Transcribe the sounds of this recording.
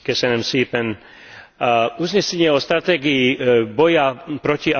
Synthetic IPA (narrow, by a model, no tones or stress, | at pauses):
kɛsɛnɛmsiːpɛn | ʔuzɲɛsɛɲɪɛɔst̪ɾat̪ɛːɡiibɔjapɾɔcia